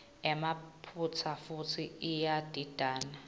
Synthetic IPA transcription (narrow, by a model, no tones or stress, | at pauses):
ɛmapʰut͡sʰafutʰiijad̥ʱid̥ʱaːna